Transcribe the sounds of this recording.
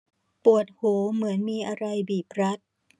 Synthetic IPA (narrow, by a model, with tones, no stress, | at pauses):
pu˨˩ət̪̚hoː˩˦mɯ˩˦ənmiː˧ʔa˧ɾa˧jbiː˨˩p̚ɾa˦˥t̪̚